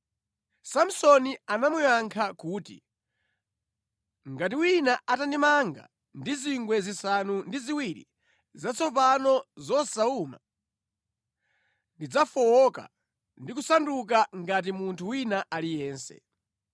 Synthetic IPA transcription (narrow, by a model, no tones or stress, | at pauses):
sam̩sɔnianamujaŋkʰakuːtḭ | ŋɡatiwinaʔatandimaŋɡa̰ | ndiziŋɡwɛzisanundiziwiɾḭ | zat͡sʰɔpanɔzɔsauma̰ | ndid͡zafɔwɔka̰ | ndik̬usanduk̬aŋɡat̬imuntʰuwinaʔalijɛːnsɛ̰